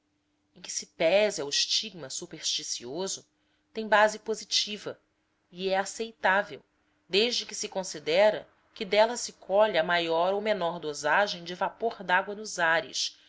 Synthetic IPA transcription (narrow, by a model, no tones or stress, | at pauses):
ẽkɪ̥sɪpɛzawiʃt͡ʃiɡ̚mɐsupeɾʃt͡ʃisiozʊ | t̪ẽj̃bazɪpozit͡ʃivɐ | iɛasejt̪avew | d̪eʒd͡ʒɪkɪsɪkõsid̪ɛɾɐ̰ | kɪd̪ɛlɐsɪkʰɔʎɐmajɔɾowmenɔɾd̪ozaʒẽj̃d͡ʒɪvapoɾd̪aɡwɐnʊzaɾɪ̰ʃ